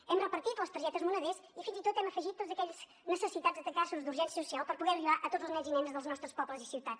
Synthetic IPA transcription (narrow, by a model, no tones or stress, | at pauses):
ɛmrəpəɾt̪it̪ləst̪ɾʒɛt̪əzmunəðɛsifinzit̪ot̪ɛməfəʒit̪ːod̪zəkɛʎz̥ | nəsəsit̪ad͡zzd̪ət̪əkasuzd̪uɾʒɛnsjəsusialˠpəɾpuɣɛɾlilaʔət̪odzlˠznɛzinɛnzðəlˠznɔst̪ɾəspɔbləzisiwt̪at̪